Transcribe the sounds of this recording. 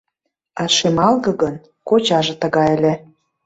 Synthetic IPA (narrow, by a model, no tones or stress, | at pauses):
ɑʃemɑlɣɤ̆ɣən | kot͡ɕɑʒĕt̪əɣɑelʲĕ